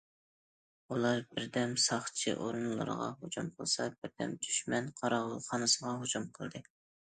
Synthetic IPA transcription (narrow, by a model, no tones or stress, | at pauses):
ulˠɑɾbɪɾd̪ɛmsɑχt͡ʃʰḭʔoɾɨnlˠɨ̰ɾ̰ʁɑ̰ɦod͡ʒumqʰəlˠsɑb̥ɪɾd̪ɛ̰md̪yʃmɛnqʰɑɾɑʁlˠχɑnɨsəʁɑɦod͡ʒumqʰəlˠd̪ɨ